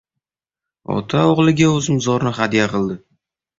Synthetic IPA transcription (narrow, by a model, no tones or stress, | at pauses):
ɒ̰t̪ʰaoʁlˠɪɡʲaɵzmzɒɾnɪχad̪ijaqɨlˠd̪ɪ